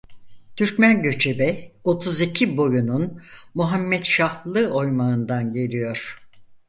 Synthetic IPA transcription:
t̪ʰyɾcmænɟø̞t͡ʃʰe̞bɛo̞t̪ʰuzicʰibo̞jununmuɦamːɛt̪ʃahlˠɯo̞jmaɯnd̪anɟe̞lʲijo̞ɾ̥

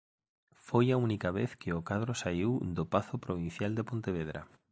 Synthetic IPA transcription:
fojaunikaβeθkeokað̞ɾosaiwd̪opaθopɾoβ̞ĩn̟θjald̪epont̪eβ̞eð̞ɾa̰

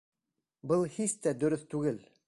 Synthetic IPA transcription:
bɤlˠhist̪æd̪ɵ̆ɾɵθt̪ʉɡɘl

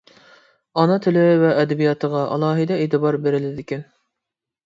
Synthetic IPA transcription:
ɑnɑt̪ʰɪlɪvɛʔːd̪ɛbijɑt̪ʰəʁɑʔɑ̰lˠɑːɦɨd̪ɛet̪ʰɨbɑɾbeɾɪlɪd̪ɪkʲyn

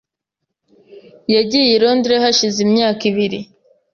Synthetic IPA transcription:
jaɟijeɾondɾehaʃizimɲaːkiβiɾi

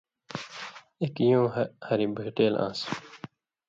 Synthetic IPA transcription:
ekjõːhɐɾibəɦʈeːlʔã̰ːs

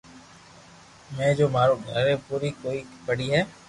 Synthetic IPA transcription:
mɛ̃ːd͡ʒoːmaːɾoːaːɾeːpuːɾiːkoːiːpəɽiːɦɛː

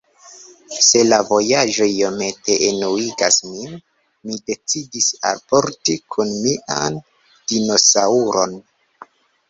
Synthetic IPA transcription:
se̞lavo̞jaʒo̞io̞me̞te̞ʔenuiɡasmin | mide̞t͡sidisa̰lpo̞ɾtikʰunmiʔa̰n | d̥ino̞sauɾo̞̰n

